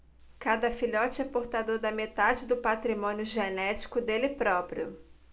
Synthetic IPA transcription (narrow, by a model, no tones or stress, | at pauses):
kad̪ɐfiʎɔt͡ʃɪɛpoɾt̪ad̪oɾd̪ɐmet̪ad͡ʒɪd̪ʊpat̪ɾimõnjʊʒenɛt͡ʃi̥kʊd̪elɪpɾɔpɾiʊ